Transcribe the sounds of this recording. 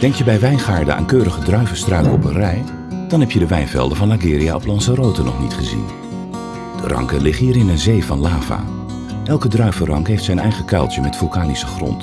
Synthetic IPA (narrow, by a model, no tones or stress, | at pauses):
d̥ɛŋktjəbɛjʋɛjnχaːɹdə̰a̰ːnkøːɾəχədrœɥvəstrœkəɔ̰pənrɛj | d̥ɑnɦɛpjədəʋɛjnvɛ̰lˠdəvɑnlaɡɪːɾia̰ɔplɑnsərowtənɔ̰χnitχəzḭn | d̥ərʔɑ̰ŋkəlɪχɦiːɾɪnənzejvɑnlaːva̰ | ʔɛlˠkədrœɥvərɑŋkɦejftsɛnɛjχəkɛlˠtjəmɛtfylˠkaːnisəχrɔ̰nt